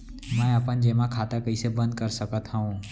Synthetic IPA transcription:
mɛ̃ɐpənd͡ʒeːmãkʰaːt̪akəisebə̃nd̪̚kəɾsəkət̪ɦɐũ

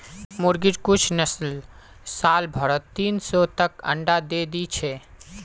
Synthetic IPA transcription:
muɾɡiʈkut͡ʃʰnəsl | salbʱəɾət̪t̪ːinsɔt̪əkə̰̃ɳɖad̪ed̪it͡ʃʰɛ

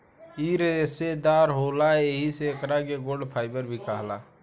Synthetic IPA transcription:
iɾesed̪aːɾɦoːlaeɦiseːkɾaɡeɡoɖpʰaːɪbəɾbʱikaɦla̰

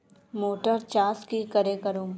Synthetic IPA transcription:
moːʈəɾt͡ʃaːskikəɾekəɾoː

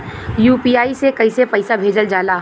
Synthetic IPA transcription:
juːpiaːisekɐɪsepɐɪsabʱeːd͡ʒəld͡ʒaːlaː

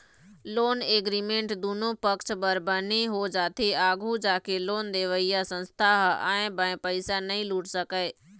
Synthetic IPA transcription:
loːneːɡɾimẽːɳʈd̪uːnõpəkt͡ʃbəɾbəniɦod͡ʒaːt̪ʰeaːɡʱud͡ʒaːkeloːnd̪eːʋəijasə̃nst̪ʰaɦə̰̃ːẽbə̃ẽpəɪsanɐɦĩluːʈsəkəe

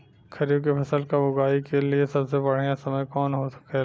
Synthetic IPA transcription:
kʰɐɾijokepʰɐsəlkabʊɡaːikeliesɐbsebɐɽ̤ejãsɐməjkɔːnɦosɐ̥ke

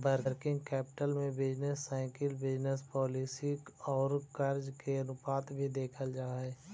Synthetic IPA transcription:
bəɾɾkɪ̃ŋɡkɛːpɪ̥ʈəlmẽbɪd͡ʒnesːaːɪkɪlbɪd͡ʒnəspɔːliːsikɔːɾkəɾd͡ʒkenʊpaːt̪bʱid̪eːkʰəld͡ʒaːɦɛː

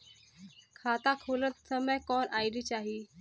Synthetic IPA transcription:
kʰat̪akʰolət̪səməjkɔnajɾit͡ɕaɦi

